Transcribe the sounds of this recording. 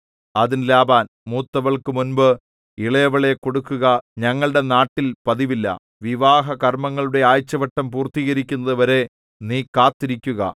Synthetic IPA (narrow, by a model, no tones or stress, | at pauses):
ɐðinlaːbaːn | muːt̪ːɐʋɐɭkɨmunbɨ | iɭɐjɐʋɐɭe̞ko̞ɽukːuɣɐɲɐŋːɐɭɨɽe̞naːʈːilpɐðiʋilːɐ̰ | ʋiʋaːɦɐkɐrmɐŋːɐɭuɽe̞aːjt͡ɕːɐʋɐʈːɐmpuːrt̪iːɣɐɾikʲːunːɐðɨʋɐɾe̞ | niːkaːt̪ːiɾikʲːuɣɐ̰